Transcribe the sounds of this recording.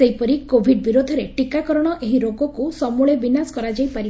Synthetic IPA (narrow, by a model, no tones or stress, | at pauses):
eɦipɔɾikobʱiɖ̚biɾod̪ʱɔɾeʈikakɔɾɔɽ̃ɔʔeɦiɾoɡɔkusɔmuɭebinasɔ̥kɔɾad͡ʒajpaɾi